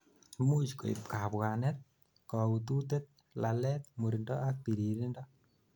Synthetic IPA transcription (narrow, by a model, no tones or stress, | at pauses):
mut͡ʃkoḭp̚kabwanɛt̪̚ | kaut̪ut̪̬et̪̚ | lalɛt̪̚muɾindɔak̚piɾiɾindɔ